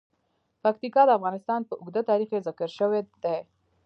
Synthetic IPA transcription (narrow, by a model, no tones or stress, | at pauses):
pakt̪ikɑd̪əafɣɑnɪst̪ɑnpəʊɡd̪ət̪ɑɾixkezɪkəɾʃəwed̪e